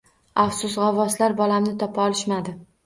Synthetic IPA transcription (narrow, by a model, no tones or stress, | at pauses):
afsʊsʁavɒslaɾbɒlamnɪt̪ʰɒpʰaɒlɪʃmad̪ɪ